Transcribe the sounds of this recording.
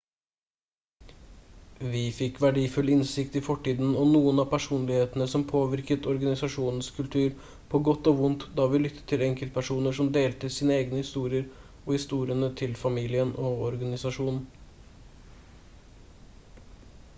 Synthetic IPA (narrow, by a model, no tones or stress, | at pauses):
ʋɪfɪkʋæɖiːfʉlɪnsɪkt̪ɪfɔʈːiːd̪n̩ɔnuːənɑːpʰæʂuːnlɪheːt̪nəsɔmpʰoːʋɪɾkət̪ɔɾɡɑnɪsɑʂuːnn̩skʰʉlt̪ʰʉːɾ | pʰoːɡɔt̪ːoːʋʊnt̪d̪ɑːʋɪlʏt̪ʰːə̥t̪ʰɪlɛŋkəlt̪̚pʰæʂuːnəʂɔmd̪eːlt̪əsiːnəeːɡnəhɪst̪uːɾɪəɾ | ɔhɪst̪uːɾɪənət̪ʰɪlfɑmiːlɪənʔɔɔɾɡɑnɪsɑʂuːnn̩